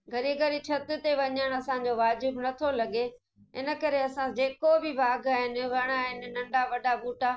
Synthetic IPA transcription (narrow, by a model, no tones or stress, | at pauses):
ɡʱɐɾiɡɐɾit͡ɕʰɐt̪ɪ̆t̪eʋɐɲəɽ̃ɐsãɲ̆d͡ʑoʋaːd͡ʑɪbnɐt̪ʰolɐɡe | ɪ̰nə̆kɐɾeɐsãd͡ʑeːkobɪʋaːɡaːɦɪnɪ̆ʋɐɽ̃aɦɪnɪ̆nɐ̃ɳɖaʋɐɖʱabuːʈaː